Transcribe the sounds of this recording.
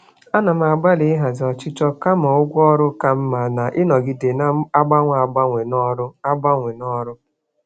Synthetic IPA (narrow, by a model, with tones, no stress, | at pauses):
a˦na˨m̩˦a˨ɡ͡ba˦lɪ˨˦ɦa˨zɔ˨t͡ʃɪ˦t͡ʃɔ˦ka˦ma˨ʊ˦ɡʷɔ˦ɾʊ˦ka˦m̩˦ma˨na˨ʔɪ˦nɔ˨ɡɪ˨de˨na˦a˦ɡ͡ba˦ŋʷa˨ɡ͡ba˦ŋʷe˨n˦ɾʊ˦a˦ɡ͡ba˦ŋʷe˨nɔ˦ɾʊ˦